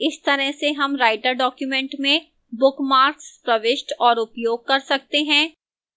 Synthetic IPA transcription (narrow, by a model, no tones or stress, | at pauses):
ɪst̪ɐɾəɦseɦɐmɾaːɪʈəɾɖɔːkjumɛ̃ːɳʈmẽ | bʊkmaːɾkspɾɐʋɪʃʈɔːɾʊpjoːɡ̚kɐɾsɐk̚t̪eɦɛ̃ː